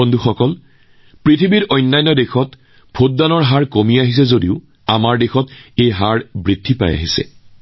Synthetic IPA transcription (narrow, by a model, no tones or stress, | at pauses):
ɔndʱuxɔkɔl | pɹitʰibiɹɔjnːajnːɔdexɔt | b̥ʱot̚danɔɹɦaɹkomiaɦis̬ɛzodiʊ | a̰maɹdexɔtejɦaɹbɹidʱːipa̰ja̰ɦisɛ̰